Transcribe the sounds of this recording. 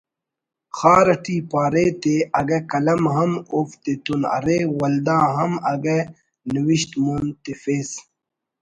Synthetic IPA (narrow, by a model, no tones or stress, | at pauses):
xaːɾɐʈiːpaːɾet̪eɐɡɐkɐlɐmɦɐmoft̪et̪unɐ̰ɾeːwɐld̪ãːɦɐmɐɡe | niwiɕt̪muːnt̪efeːs